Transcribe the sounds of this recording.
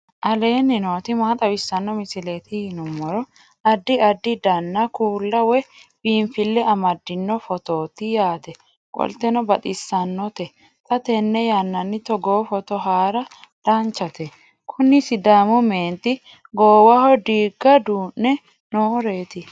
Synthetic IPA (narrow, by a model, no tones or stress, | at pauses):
ʔɐle̞ːnːɪnoːt̪ɪmaːt̪ʼɐbɪsːɐnːɔmɪsɪle̞ːt̪ɪhɪnɔmːɔɾɔ | ɐd̪ːɪɐd̪ːɪd̪ɐnːɐkuːlːɐwɛbiːɱfɪlːɛɐmɐd̪ːɪnːɔfɔt̪oːt̪ɪjaːt̪ɛ | kʼɔ̰lt̪ɛnɔbɐt̪ʼɪsːɐnːɔt̪ɛ | t̪ʼɐt̪ɛnːɛjanːɐnːɪt̪ɔɡoːfɔt̪ɔɦaːɾɐd̪̥aːnt͡ʃːɐt̪ɛ | kʰʊnːɪsɪd̪aːmʊmeːnt̪ɪ | ɡoːwɐhɔd̪iːɡːɐd̪uːnːɛ | noːɾe̞ːt̪ɪ